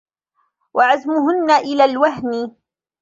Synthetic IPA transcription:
waʕazmʊhʊnːaʔɪlaːlwaɦnɪ

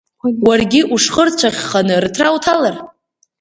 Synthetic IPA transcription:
warɡʲɪʔuʂχərt͡ɕʷʰaχʲχanɨrtʰrawtʰalar

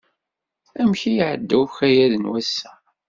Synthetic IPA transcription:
æmçijʕəd̪ːæwçæjæðənwæsːæ̥

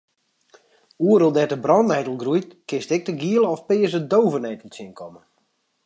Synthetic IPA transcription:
uəɾolˠdɛtəbrɔntɛjtəl̩ˠɡrujtkɪstɛk̚təɡiəlˠɔfpɪːəsədowvənɛjtəl̩ˠsɪnkʰɔmə

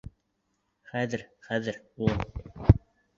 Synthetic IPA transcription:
χæðɘ̆ɾχæðɘɾu

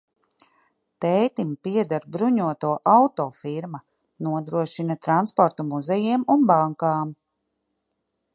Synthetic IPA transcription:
t̪ɛjt̪impiɛd̪aɾbɾuɲuɔt̪uɔʔawt̪ɔːfiɾma | nuɔd̪ɾuɔʃinat̪ɾanspɔɾt̪umuzɛjiɛmunbaŋkaːm

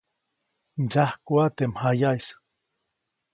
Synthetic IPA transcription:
nd͡ʒahkuat̪emhajajs

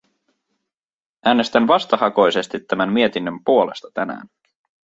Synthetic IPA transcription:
ʔæːne̞st̪ænʋɑst̪ɑhɑko̞jse̞st̪it̪ːæmænmie̞t̪inːømpuo̞le̞st̪ɑ̥t̪ænæ̰ːn

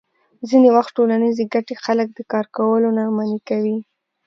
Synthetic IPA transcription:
zinewaxt̪ʈolanizeɡaʈexalək̚d̪əkɑɾkawəlonamanikawi

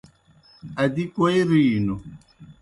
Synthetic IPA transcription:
adikojɾiːnu

